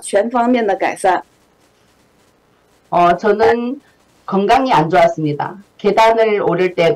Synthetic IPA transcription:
t͡ɕʰɥɛnfɑŋmjɛnd̪əka̰ɪsan | ʌt͡ɕʌnɯn | kʌŋɡaŋiand͡ʑowas͈ɯmɲida̰ke̞danɯɭoɾɯɭt͈e̞

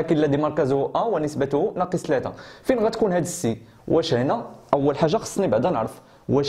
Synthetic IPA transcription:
ækəlːæd̪imɑɾˤkæzuhʔæwənəsbæt̪ʊhunɑqəsˤt̪læt̪æ̰finɣæt̪kunhæd̪əsːi | wʔæʃhnæʔæwːəlħaʒːaxɑ̥sˤːnibaʕd̪ænəʕɾəf | wæʃ

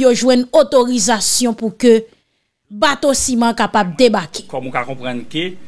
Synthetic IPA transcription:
joʒwɛ̃not̪oʁizasjɔ̃pukø | bat̪osimãkapab̚d̪ebake̥kɔmũkakɔ̃pʁɐ̃nke

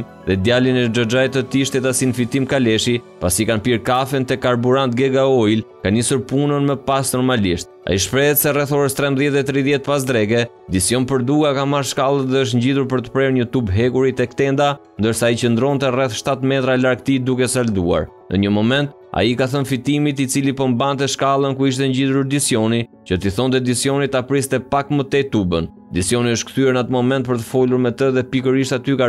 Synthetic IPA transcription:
ðɛd̪jalinɛd͡ʒɔd͡ʒajt̪ət̪iʃt̪ɛt̪asinfit̪imkalɛʃi | pa̰sikanpiɾkafɛnt̪ɛkaɾbuɾant̪̚ɡɛɡaɔjlkanisuɾpunənmɛpasnɔɾmaliʃt̪̚a̰iʃpɾɛɛt̪sɛrɛθɔɾəst̪ɾɛmbðjɛt̪̚ðɛt̪ɾiðjɛt̪̚pas̬d̪ɾɛɡɛ | d̪isjɔnpəɾd̪uɡakamaɾʃkalˠət̪ðɛəʃ̬ɲɟiðuɾp̬əɾt̪ə̥pɾɛɾɲət̪ubɦɛɡuɾit̪ɛkt̪ɛnd̪a | nd̪əɾsaːit͡ɕənd̪ɾɔnt̪ɛrɛθʃt̪at̪mɛt̪ɾalaɾɡ̚t̪id̪ukɛsald̪ua̰ɾ | nʔə̰ɲəmɔmɛnt̪̚ | a̰ikaθənfit̪imit̪it͡silipɔmbant̪̬ɛʃkalˠənkuiʃ̬t̪ɛɲɟiðuɾd̪isjɔni | t͡ɕət̪iθɔnt̪ɛd̪isjɔnit̪apɾist̪ɛpakmət̪ɛt̪ubən | d̪isjɔniəʃt̪̚kθyɛɾnat̪əmɔmɛnt̪pəɾt̪̬ə̥fɔluɾmɛt̪əðɛpikəɾiʃt̪at̪yka

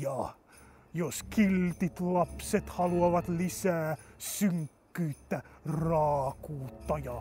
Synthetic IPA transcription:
ɑ | joskilt̪it̪lɑpset̪hɑluɑʋɑt̪lisæːsyŋkːyːt̪ːærɑːkuːt̪ːɑjɑ

